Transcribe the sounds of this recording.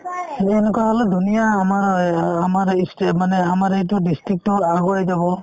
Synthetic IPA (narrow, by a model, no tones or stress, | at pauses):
ɛnɛkwaɦɔlɛdʱunijaːmaɹamaɹistmanɛamaɹɛt̬ʊdistɹik̚tɔaɡɔɹajzaβɔ